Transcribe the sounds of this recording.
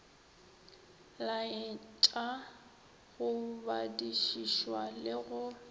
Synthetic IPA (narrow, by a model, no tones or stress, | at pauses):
laɪt͡ʃʼa | ɣʊbadiʃiʃwalɪɣʊ